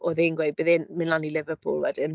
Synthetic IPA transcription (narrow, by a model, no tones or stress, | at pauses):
ɔðenɡwejd̚bɪðɪnmɪnlˠanilɪvəpʰṵːlˠwɛdɪn